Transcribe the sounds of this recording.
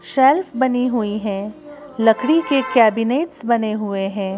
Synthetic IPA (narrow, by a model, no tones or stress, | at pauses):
ʃɛlfbɐniɦʊiɦɛ̃ːlɐkʰɽikekɛːbɪneːʈsbɐneɦʊeɦɛ̃ː